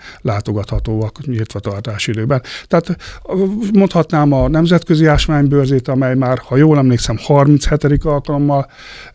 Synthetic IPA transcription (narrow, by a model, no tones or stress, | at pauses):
laːt̪o̞ɡɒt̪hɒt̪oːɒkɲilt̪ʋɒt̪ɒrt̪aːʃid̪øːbɛnt̪ɛat̪ | mo̞nt̪hɒt̪naːmɒnɛmzɛt̪køziaːʃmaːɲbørzeːt̪ɒmɛjmaːrhɒjoːlɛmleːksɛmhɒrminshɛt̪ɛd̪ikɒlkɒlo̞mːɒl